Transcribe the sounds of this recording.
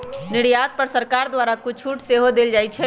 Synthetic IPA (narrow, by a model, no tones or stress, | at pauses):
nɪɽjad̪̚pəɾsəɾkaɾd̪ʋaɾakut͡ʃʰuʈseɦod̪eld͡ʒajt͡ʃʰɛ